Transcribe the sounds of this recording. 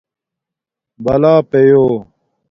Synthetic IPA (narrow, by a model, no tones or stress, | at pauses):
bɐlaːpejoː